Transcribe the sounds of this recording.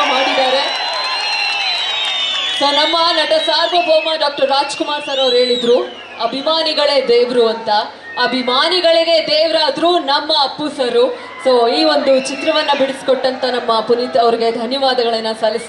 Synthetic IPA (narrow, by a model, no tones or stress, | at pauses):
maːɽid̪aːɾe̞ | so̞ːnɐmːɐnɐʈɐsaːɾbʱɐbʱoːmɐɖaːk̚ʈɐɾːaːd͡ʒkumaːɾsɐɾɐʋɾɦe̞ːɭid̪ɾuː | ɐbʱimaːniɡɐɭe̞ːd̪eːʋɾuɐnt̪ɐː | bʱimaːniɡɐɭiɡe̞d̪eːʋɾaːd̪ɾuːnɐmːɐːpːusɐɾu | so̞ːiːo̞nd̪ut͡ʃit̪ɾɐʋɐnːɐbiɽiskɔʈːɐnt̪ɐnɐmːɐpunit̪ɐʋɐɾiɡe̞d̪ʱɐnjɐʋaːd̪ɐɡɐɭɐnːɐsɐlːis